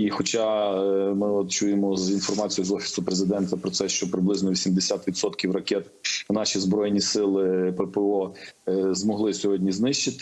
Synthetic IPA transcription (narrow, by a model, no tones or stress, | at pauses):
ixɔt͡ʃɑ | mɪɔt̪t͡ʃujemɔzinfɔrmɑt͡sʲijzɔfʲi̥sʊpɾezɪd̪ɛnt̪ɐpɾɔtsɛʃt͡ʃɔpɾɪblˠɪznɔʋʲisʲimd̪esʲat̪ʋʲid̪sɔt̪kʲiwrɐkʲɛt̪ | nɑʃʲizbɾɔjnʲisɪlˠɪpɛpɛɔ | zmɔɦlˠɪsʲɔɦɔdʲnʲiznɪʃt͡ʃɪt̪ɪ̥